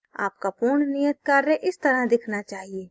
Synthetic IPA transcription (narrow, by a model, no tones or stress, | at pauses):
a̰ːp̚kapʊɾɳnijət̪̚kaɾːeʔɪst̪ɐɾad̪ɪkʰnat͡ʃaːɦieː